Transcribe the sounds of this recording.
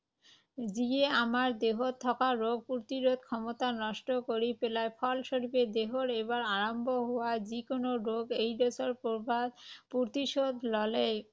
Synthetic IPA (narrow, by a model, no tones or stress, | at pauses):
d͡ʑieamaɾd̪eɦott̪ʰːɔkaɾoɡ̚puɾt̪iɾod̪̚kʰɔmot̪anɔʃʈokoɾipelaepʰɔlʃoɾiped̪eɦoɾeβaɾaɾombʱoɦowad͡ʑikonoɾoɡejɖɔsoɾpoɾbʱad̪puɾt̪iʃod̪ʱlɔlej